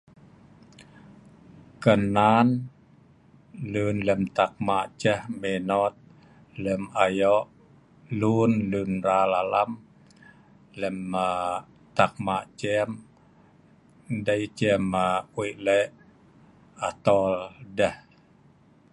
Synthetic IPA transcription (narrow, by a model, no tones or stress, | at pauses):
kənan | lunlɛmt̪ak̚maʔt͡ʃəhmenɔt̪̚ | lɛmajɔʔ | lunlunralalam | lɛmə | t̪ak̚maʔt͡ʃɛm | dait͡ʃɛmawiʔlɛʔ | at̪ɔldəh